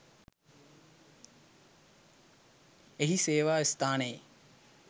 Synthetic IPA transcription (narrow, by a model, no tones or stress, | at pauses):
eɦiseːʋaːist̪aːnəje